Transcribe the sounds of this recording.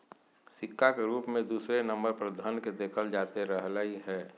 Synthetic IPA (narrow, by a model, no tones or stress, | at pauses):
sɪkʰːakeɾuːpmẽd̪uːsɾenəmbəɾpəɾd̪ʱənked̪eːkʰəld͡ʒaːt̪eɾəɦlaiɦɛː